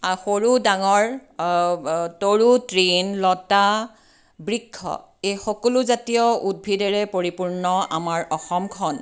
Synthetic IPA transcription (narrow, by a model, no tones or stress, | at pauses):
axoɹudaŋɔɹ | toɹutɹinlɔta | bɹikʰːɔ̰ | ejxɔkɔluzatijɔud̚bʱidɛɹɛpoɹipuɹnɔa̰maɹɔxɔmkʰɔn